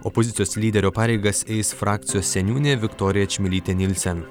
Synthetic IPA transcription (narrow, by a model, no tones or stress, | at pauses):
ɔpozʲɪt̪sʲjoːslʲiːd̪ʲɛɾʲoːpɑːɾʲɛɪɡɐsɛɪsfɾɑːk̚t̪sʲɪjoːsʲsʲɛnʲuːnʲeːʋʲɪkt̪ɔːɾʲɪjɛt͡ʃʲmʲɪlʲiːt̪ʲɛnʲɪlʲsʲɛn